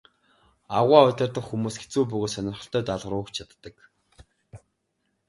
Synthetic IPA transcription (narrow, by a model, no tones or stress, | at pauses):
aʁʷaːʊt̪ʲɪ̆rt̪ə̆χxumuːsɡet͡suːp̬ɵɣoːt̪sœnʲɪ̆rχə̆ɬt̪œːt̪aɮʁə̆ɾʊːkt͡ɕʰat̪ːə̆k